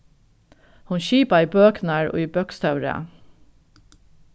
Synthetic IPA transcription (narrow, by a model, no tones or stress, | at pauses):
hʊnʃiːpɑiːbøːknæːɹʔo̰ːiːbœkst̪ʰɑʉɾə̰